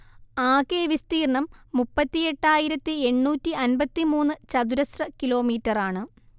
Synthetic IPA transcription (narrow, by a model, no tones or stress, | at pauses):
aːkeːʋist̪iːrɐɳɐmːupːɐt̪ːije̞ʈːaːjiɾɐt̪ːɨe̞ɳːuːtːiɐnbɐt̪ːimuːnːɨt͡ɕɐd̪uɾɐsrɐkilo̞ːmiːtːɐraːɳɨ